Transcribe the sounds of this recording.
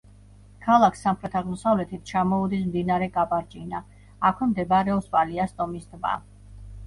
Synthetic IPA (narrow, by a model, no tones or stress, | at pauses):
kʰalˠakʰsːamχɾɛt̪ʰaʁmɔsavlɛt̪ʰit̪̚ʰt͡ʃʰamɔud̪ismd̪inaɾɛɡapʼaɾd͡ʒʼinaː | kʰwɛmd̪ɛbaɾɛɔspʼaliast̪ʼɔmisd̪ba̰